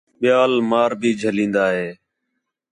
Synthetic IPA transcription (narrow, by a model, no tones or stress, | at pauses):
ɓɪjaːlmaːɾbʱiːd͡ʒʱəlĩːnd̪aːɦeː